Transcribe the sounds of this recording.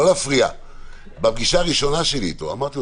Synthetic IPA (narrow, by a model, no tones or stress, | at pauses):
lafʁia̰ | bap̚ɡiʃaʁiʃonaʃelḭt̪oa̰maʁt̪io